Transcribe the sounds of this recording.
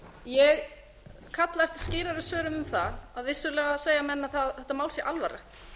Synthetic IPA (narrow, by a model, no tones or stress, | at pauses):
jɛɣ | kʰat̪laɛft̪ɪɾ̥scɪːɾaɾʏðsœːɾʏmʏmθaaðvɪsʏlɛːɣaseːjamɛnːaθaθɛht̪ːamaːw̪sjɛʔalvara̰xt̪